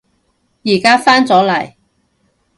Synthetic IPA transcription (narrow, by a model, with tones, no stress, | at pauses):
jiː˨˩kaː˥faː˥nt͡sɔː˨˥lɐ˨˩j